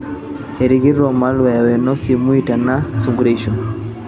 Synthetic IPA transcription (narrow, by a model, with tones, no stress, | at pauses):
e˨ɾi˨ɣi˦ɾɔ˨ma˦lwa˨ja˨wɛ˨nɔ˦si˨mu˦i˨ta˨na˦su˨ŋɡu˦ɾeʃɔ˨